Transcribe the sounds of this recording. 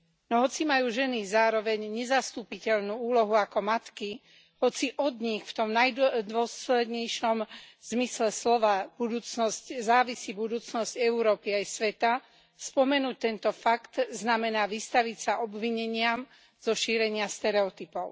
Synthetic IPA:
nɔɦɔt͡simajuːʒɛnizaːɾɔʋɛɲɲɛzast̪upicɛʎnuːuːlɔɦuakɔmat̪ki | ɦɔt͡siʔɔd̪ɲixft̪ɔmnajd̪ʊɔslɛd̪ɲɛjʃɔmz̥mislɛslɔʋabud̪uːt͡snɔsczaːʋisibud̪uːt͡snɔzɟɛuɾɔːpiajsʋɛt̪a | spɔmɛnuːc̚t̪ɛnt̪ɔfakt̪znamɛnaːʋist̪aʋicsaʔɔbʋiɲɛɲɪam | z̥ɔʃiːɾɛɲɪast̪ɛɾɛɔt̪ipɔʊ

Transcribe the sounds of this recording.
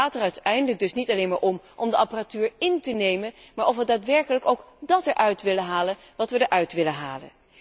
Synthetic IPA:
aːtərœɥtɛjndələɡ̚dɵsnitɑlejnmaːɹʔɔmʔɔmdəʔɑparatyːɹɪntənejmənmaːɹʔɔfʋədaːtʋɛɹkələkowkdɑtɛɹʔœɥtʋɪlənɦaːlən | ʋɑtʋədəɹʔœɥtʋɪlənɦa̰ːlə̰n

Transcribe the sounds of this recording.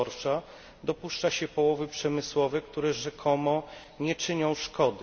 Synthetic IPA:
ɔɾʂa | d̪ɔpuʂt͡ʂaɕɛpɔwɔvɘpʂɛmɘswɔvɛkt̪uɾɛʐɛkʰɔmɔ | ɲɛt͡ʂɘɲɔ̃w̃ʂkɔd̪ɘ

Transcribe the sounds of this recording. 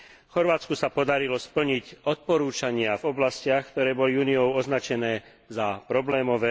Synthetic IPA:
fxɔɾʋaːt͡skusapɔd̪aɾilɔspl̩ɲicɔt̪̚pɔɾuːt͡ʃaɲɪavɔblascɪaxkt̪ɔɾɛːbɔliuːniɔʊɔznat͡ʃɛnɛː | zapɾɔblɛːmɔʋɛː

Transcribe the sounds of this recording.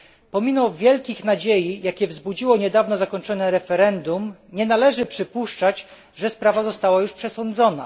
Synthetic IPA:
pɔmʲimɔvʲjɛlkʲixnad͡ʑejijakʲɛvzbud͡ʑiwɔɲɛd̪avnɔzakɔɲt͡ʂɔnɛɾɛfɛɾɛnd̪umɲɛnalɛʐɘpʂɘpuʂt͡ʂat͡ɕ | ʐɛspɾavazɔst̪awajuʂpʂɛsɔnd̪zɔna̰

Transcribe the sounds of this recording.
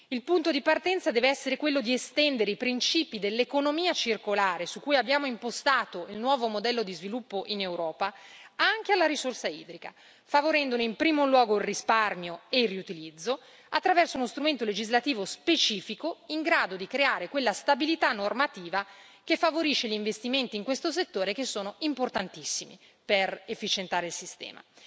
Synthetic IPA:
ilpunt̪od̪ipart̪ɛnt̪sad̪ɛːveɛsːeɾekwelːod̪iest̪ɛnd̪eɾeipɾint͡ʃiːpid̪elːekonomiːat͡ʃirkolaːɾesukːujabːjaːmoimpost̪aːt̪oilnwɔːvomod̪ɛlːod̪izvilupːoʔinewɾɔːpaaŋk̟ealːaɾisorsaḭːd̪ɾika̰ | favoɾɛnd̪oneimpɾiːmolwɔːɡoilrisparmjoeilriut̪ilid̪zːo | at̪ːɾavɛrsounost̪ɾument̪oled͡ʒizlat̪iːvospet͡ʃiːfikoiŋɡɾaːd̪od̪ikɾeaːɾekwelːast̪abilit̪anːormat̪iːva | kefːavoɾiʃːeʎiɱvest̪iment̪iːŋkwest̪oset̪ːoːɾek̟esːoːnoimport̪ant̪isːimḭ | perefːit͡ʃent̪aːɾeilsist̪ɛ̰ːma̰

